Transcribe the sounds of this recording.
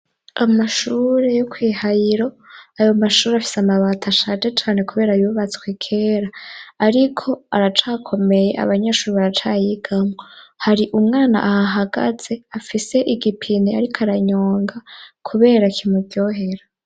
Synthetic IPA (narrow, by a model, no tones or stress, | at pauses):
amaʃuːɾe̞jokʰwiːhajiɾo̞ | ajo̞maʃuːɾeafi̥seamaβatʰaʃad͡ʒet͡ʃaːne̞kuβe̞ːɾajuːβat͡skwekʰe̞ːɾaːɾikʰo̞aɾat͡ʃaːkʰo̞me̞je̞ʔa̰βaɲaʃuːɾiβaɾat͡ʃaːjiɡ̥amwohaɾiʔumŋaːna̰ʔahaɦaɡa̰z̥e̞afise̞ʔiɡipʰineaɾikʰaɾaɲo̞ːŋɡakʰuβe̞ːɾakʰimuɡɟjo̞ɦe̞ɾa